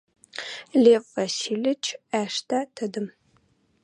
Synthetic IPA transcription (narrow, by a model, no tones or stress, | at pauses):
leːvːɐsilɪt͡ʃʰæːʂtʰatʰɐdɨm